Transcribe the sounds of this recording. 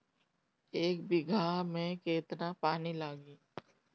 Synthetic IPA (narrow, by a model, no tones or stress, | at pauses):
eːk̚bɪɡʱamẽkeːt̪napaːnilaːɡiː